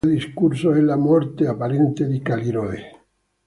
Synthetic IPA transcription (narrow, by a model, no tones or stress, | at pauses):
d̪iskuɾsoelːamɔɾt̪eapaɾent̪eðikaliɾoe